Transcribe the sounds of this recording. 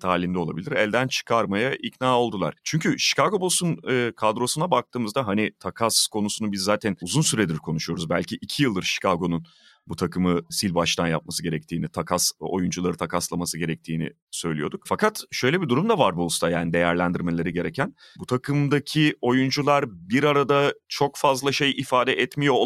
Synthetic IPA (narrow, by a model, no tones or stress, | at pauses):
t̪ʰaːlʲind̪ɛo̞lˠa̰bilʲiɾɛlʲd̪ænt͡ʃʰɯ̥kʰaɾmajaʔicnaːo̞lˠd̪ulˠa̰ɾ̥t͡ʃʰyɲcʰyʃi̥kʰaɡo̞bosunːkʰad̪ɾo̞sunabak̚t̪ʰɯːmɯzd̪aɦanit̪ʰakʰaskʰo̞nusunubizːaːt̪ʰænuzunsyɾɛd̪iɾkʰo̞nuʃujo̞ɾuzbælʲcʰiʔːcʰijɯlˠd̪ɯɾʃi̥kʰaɡo̞nun | but̪ʰakɯmɯsilʲbaʃt̪ʰanja̰p̚masɯɟe̞ɾɛc̚t̪ʰiːnit̪ʰakʰaso̰jund͡ʒulˠaɾɯt̪ʰakʰaslˠamasɯɟe̞ɾɛc̚t̪ʰiːnḭ | sø̞jlʲijo̞d̪uk̚fakʰat̪ʃø̞jlʲebid̪uɾumd̪avaɾbulˠst̪ajaːnid̪e̞jæɾlʲænd̪iɾme̞lʲe̞ɾiɟe̞ɾecʰæn | but̪ʰakʰɯmd̪acʰio̞jund͡ʒulˠaɾbiɾaɾad̪at͡ʃʰo̞kfazlˠaʃe̞jifaːd̪ɛʔɛt̪mijo̞